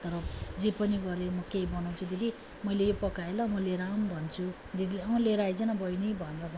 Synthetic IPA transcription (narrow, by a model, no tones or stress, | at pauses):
t̪ʌɾʌd͡zepʌniɡʌɾemʌkejbʌnʌw̃t͡sʰud̪iɡ̪i | mʌjlejopʌkaelʌmʌleɾambʱʌnt͡sʰu | d̪iɡ̪ilʌwleɾajd͡zʌnʌbʌjnibʱʌnrʌb